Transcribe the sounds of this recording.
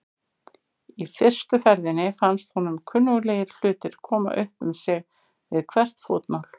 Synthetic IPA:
ifɪr̥st̪ʏfɛɾðɪnːɪfanst̪hunʏmkʰʏnːʏɣleːjɪɾl̥ʏːt̪ɪɾ̥kʰɔːma̰ʔœhpʏ̰msɛɣ | vɪðkʰvɛr̥t̪foːt̪nawl̥

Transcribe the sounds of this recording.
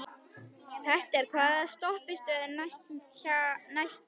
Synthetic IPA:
θɛht̪ɛɾ̥kʰvaːðast̪ɔhpɪst̪œːðɪnasanajst̪

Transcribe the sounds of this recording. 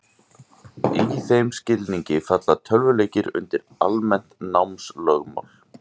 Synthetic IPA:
iθejmscɪlniɲcɪfat̪lat̪ʰœlvʏleːjcɪɾʏ̰nt̪ɪɾ | almɛn̥t̪nawmslœɣma̰wl̥

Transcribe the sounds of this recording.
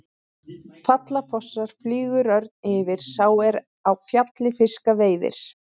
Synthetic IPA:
fat̪lafɔsːaɾ̥flyːɣʏɾœɾt̪nɪːvɪɾ̥saːwɛɾ | awfjat̪lɪfɪskaveːjðɪ̰ɾ̥

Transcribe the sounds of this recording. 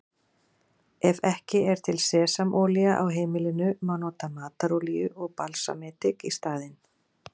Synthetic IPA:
ɛvɛhcɪɛɾ̥t̪ʰɪlsɛːsamʔɔːliaʔawɦeːjmɪlɪnʏmanɔːt̪amaːt̪aɾolijʏʔɔɣpalsa̰mɛːt̪ɪkist̪aːðɪn

